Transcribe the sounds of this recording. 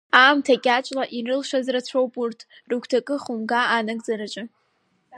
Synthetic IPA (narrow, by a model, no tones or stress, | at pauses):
aːmtʰakʲʼat͡ʃʷʼlaʔirɨlʃazrat͡ɕʷʰowpʼurtʰrukʷʰtʰakʼɨχumɡaːnɨɡʼd͡zaɾat͡ʃʷʼɨ